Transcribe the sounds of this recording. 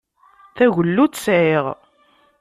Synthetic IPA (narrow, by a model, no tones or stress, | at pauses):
θæʝəlːutːsʕeʁ